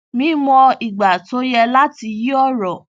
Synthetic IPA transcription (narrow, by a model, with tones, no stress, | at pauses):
mĩ˨˦mɔ̃˧i˨ɡ͡ba˨to˨˦jɛ˧la˦ti˧ji˦ɔ˦˨ɾɔ˨